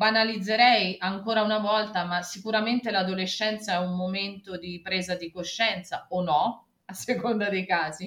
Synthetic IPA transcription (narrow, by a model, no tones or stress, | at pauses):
banalid̪zːeɾɛjaŋkoːɾaunavɔlt̪amasikuɾament̪elad̪oleʃːɛnt̪saɛummoment̪od̪ipɾeːzad̪ikoʃːɛnt̪saonːɔ | asːekond̪ad̪ejkaːzi